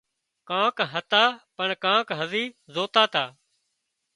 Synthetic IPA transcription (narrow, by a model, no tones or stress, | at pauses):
kãːkɦət̪aːpəɳkãːkɦəziːzoːt̪aːt̪aː